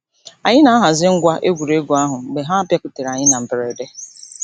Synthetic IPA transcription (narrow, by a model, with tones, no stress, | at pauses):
a˨ɲɪ˦na˨a˦ɦa˨zɪ˦ŋ̩˦ɡʷa˦ʔe˦ɡʷu˨ɾe˦ɡu˨a˦ɦʊ˨ɡ͡be˨ɦa˦a˦pja˦kʊ˨te˨ɾa˨ɲɪ˦na˨m̩˨bɪ˨ɾe˨de˦